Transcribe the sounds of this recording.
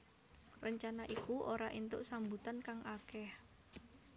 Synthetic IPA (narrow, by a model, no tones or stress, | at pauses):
rəɲt͡ʃanaʔikuʔoɾaʔint̪ʊʔsambut̪ankaŋʔakɛh